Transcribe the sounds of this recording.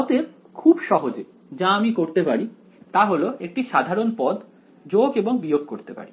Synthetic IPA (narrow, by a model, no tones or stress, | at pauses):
ɔt̪e | kʰubʃɔɦod͡ʑe | d͡ʑaamikoɾt̪epaɾi | t̪aɦoloek̚ʈiʃad̪ʱaɾonpɔd̪ | d͡ʑoɡeboŋbijoɡ̚koɾt̪epa̰ɾi